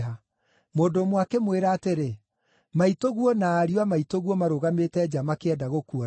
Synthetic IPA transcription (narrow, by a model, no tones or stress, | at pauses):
ɦa | moːdomwakemweɾaːteɾe | maitoɣwɔnaːɾiwamaitoɣwɔmaɾoɣametɛːd͡ʑamakeɛdaɣokuɔ